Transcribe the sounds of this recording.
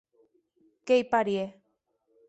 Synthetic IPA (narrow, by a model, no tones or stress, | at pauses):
kejpaɾie